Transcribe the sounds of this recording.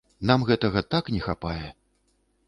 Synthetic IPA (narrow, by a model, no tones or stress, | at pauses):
namɣɛt̪ɐɣɐt̪aknʲɛxapajɛ